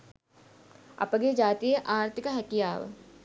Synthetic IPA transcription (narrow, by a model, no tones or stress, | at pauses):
ɐ̰pɐɡed͡ʒaːt̪ieʔaːɾt̪ʰɪkaɦɐkijaːʋ̰